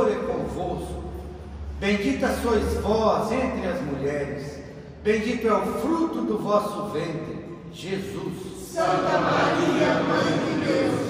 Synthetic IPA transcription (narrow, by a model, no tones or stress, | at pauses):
ɾɛkõvoskʊ | bẽd͡ʒit̪ɐsojzvɔzẽnt̪ɾɪɐzmuʎɛɾɪs | bẽj̃d͡ʒit̪ʊawfɾut̪ʊd̪ʊvɔsʊvẽnt̪ɾɪ | ʒezus | sɐ̃t̪ɐmaɾiɐaid̪ews